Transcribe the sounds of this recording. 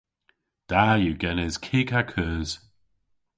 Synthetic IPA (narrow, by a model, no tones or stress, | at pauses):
d̪̥ajuɡɛnɪz̥kʰiːkakʰəːz̥